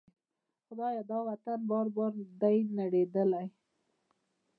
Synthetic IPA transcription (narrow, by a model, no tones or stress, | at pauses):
xʊd̪ɑjad̪ɑwat̪anbɑɾbɑɾd̪ajnaɽed̪əlaj